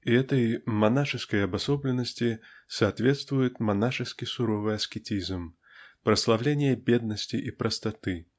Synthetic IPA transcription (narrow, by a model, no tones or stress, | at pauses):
iɛt̪ɐjmanaʂɨskɐjɐbasɔblʲɛnɐsʲt͡sʲisɐːt̪vʲɛt̪st̪vʊjʊt̪ʲmanaʂɨskʲisuɾɔvɨaskʲɛt͡sʲizm | pɾɐslˠawlʲenʲɪjɐbʲɛd̪̚nɐsʲt͡sʲiʔipɾʔɐst̪at̪ɨ